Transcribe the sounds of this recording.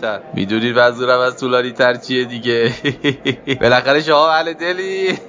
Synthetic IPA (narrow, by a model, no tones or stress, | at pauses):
æɾmḭːd̪uniːd̪væzuːɾæmæzt̪ʰuːlɒːniːt̪ʰæɾt͡ʃʰijed̪iɟe | be̞læxæɾe̞ʃ̬omɒːmæled̪e̞liː